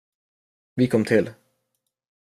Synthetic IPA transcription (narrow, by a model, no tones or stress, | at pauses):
ʋiːkʰɔmt̪ʰɪl